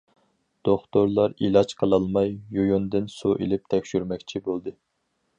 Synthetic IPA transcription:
d̪̥oχt̪oɾlˠɑɾilˠɑt͡ʃqʰəlˠɑlˠmɑjːujund̪ɨnsuʔḭlɪp̚t̪ʰɛkʲʃyɾmɛkʲt͡ʃʰibolˠd̪ɨ

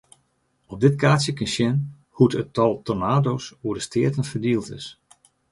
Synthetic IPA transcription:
ɔp̚dɪtkʰaːsjəkɪnsjɛn | hutətɔlˠtonaːdoːsuədəstʰɪətənfərdiəlˠtɪ̰s

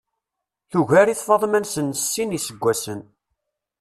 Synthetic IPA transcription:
θuʝæɾiθfɑðˤmænsənsːinisəɡʷːæsən

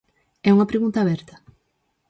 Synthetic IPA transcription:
ɛuŋɐpɾeɣunt̪aːβɛɾt̪ɐ̥

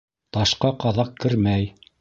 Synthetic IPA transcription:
t̪ɑʃqɑqɑðɑq̚kɘ̆ɾmæj

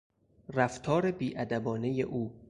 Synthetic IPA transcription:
ræft̪ʰɒːɾe̞biːʔæd̪æbɒːne̞jḛʔuː

